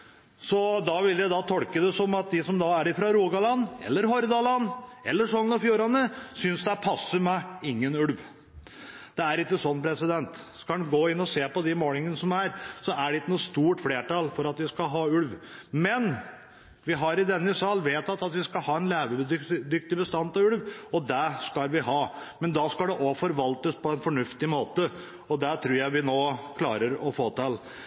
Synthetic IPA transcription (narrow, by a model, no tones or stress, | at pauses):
sɔd̪ɑʋɪljæɪd̪ɑt̪ʰɔlkəd̪ɛsɔmɑt̪̚d̪ɪsɔmd̪ɑæɾɪfɾɑɾuːɡɑlɑnːɛ̰lːəɾɦɔɾd̪ɑlɑnɛ̰lːəʂɔnnɑfjuːɾɑnəsʏnsd̪ɛæpʰɑsːəɾmɛɪŋːənʉlʋ | d̪̥ɛæɾɪk̪ːəsɔnːpʰɾɛsɪd̪ɛnt̪skɑɡoːɪnːɔseːpɔd̪ɪmoːlɪŋənəsɔmæɾsɔæɖɛɪkːənuːst̪uːʈfleːʈɑlfɔɾɑt̪ʋɪskɑɦɑːʉlʋmɛn | ʋɪɦɑɾɪd̪ɛnːəsɑlːʋeːt̪ɑt̪ɑt̪ʋɪskɑlhɑːɛnleːʋəbd̪d̪ʏk̚t̪ɪbəst̪ɑnt̪ɑʉlʋɔd̪æskɑlʋɪɦɑːmɛnd̪ɑskɑld̪ɛʔɔfɔɾʋɑlt̪əspʰɔɛnfɔɳʉft̪ɪmoːt̪ə | ɔd̪æt̪ʰɾuːɾjæɪʋɪnoːkʰlɑːɾəɾɔfoːt̪ɪl